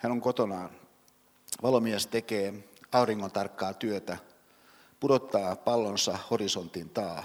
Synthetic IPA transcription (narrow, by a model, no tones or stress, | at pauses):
hænoŋkot̪onɑːn | ʋɑlo̞miest̪ekeːɑuriŋːont̪ɑrkːɑːt̪yøt̪æ | pudot̪ːɑːpɑlːonsɑhorisont̪int̪ɑː